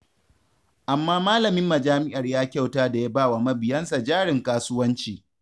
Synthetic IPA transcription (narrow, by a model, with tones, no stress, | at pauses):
ʔa˨mːaː˦maː˦lɐ˨mɪ˦mːɐ˨d͡ʒaː˦mɪ˦ʔa˨rjaː˦kʲa˦˨wtaː˦da˨jaː˦baː˦˨wa˨mɐ˦bɪ˨jɐ˦nsa˨d͡ʒaː˦ɽɪ˨ŋkaː˦sʊ˦wɐ˦nt͡ʃiː˨